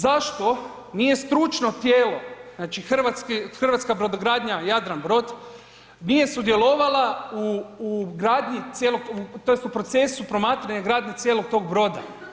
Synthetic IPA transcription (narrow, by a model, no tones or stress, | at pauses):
zaʃt̪o̞ | nije̞st̪ɾut͡ʃno̞t̪jeːlo̞znaːt͡ʃixr̩ʋat̪skixr̩ʋat̪skabɾod̪oɡɾaːd̪ɲajad̪ɾanbɾo̞d̪ | nije̞sud̪je̞lˠo̞ʋalˠauːɡɾaːd̪ɲit̪sjeloɡ̚ut̪o̞jest̪upɾo̞t̪se̞supɾo̞maːt̪ɾaɲaɡɾaːd̪ɲet̪sjeloɡ̚t̪o̞ɡbɾo̞d̪a̰